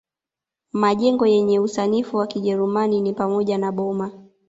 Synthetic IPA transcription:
maʄɛŋɡɔjɛɲɛusanifuwakiʄɛɾumaninipamɔʄanaɓɔma

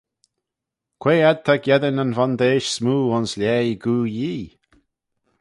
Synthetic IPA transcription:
kʰweːad̪̚t̪ʰakjɛd̪ənanvand̪eːʃsmuːʊnslʲɛːjɡuːjiː

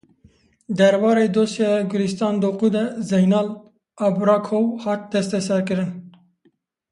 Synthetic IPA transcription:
d̪ɛɾwɑːɾeːd̪oːsjɑɡʊɾist̪ɑːnd̪oːqud̪ɛzɛjnɑːl | ɑːbɾɑːkʰowhɑːt̪̚d̪̥ɛst̪ɛsɛɾkɨɾɨn

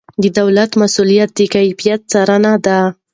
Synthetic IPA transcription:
d̪əd̪awlat̪masulijat̪̚d̪əkajfijat̪̚saɾanad̪a

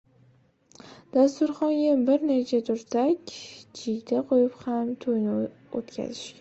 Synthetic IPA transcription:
d̪̥ast̪ʊɾχɒŋɡʲabɪɾnet͡ʃʰat̪ʰʊɾsakʲd͡ʒɪɡʲd̪aqʰojɪphamt̪ʰojnɪ | o̰t̪kʲʰa̰zɪʃkʲa

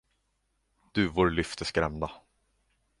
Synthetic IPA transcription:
d̪̥ɵvʊːɾɭʏft̪ʰəskɾɛmna

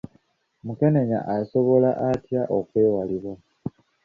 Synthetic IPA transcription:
muke̞ne̞ɲa̰ʔaso̞βo̞laʔatjaʔo̞kweːwaliβwa

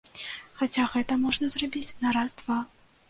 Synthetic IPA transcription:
xat͡sʲaɣɛt̪ɐmɔʐnɐzrabʲit͡sʲnɐɾazd̪va

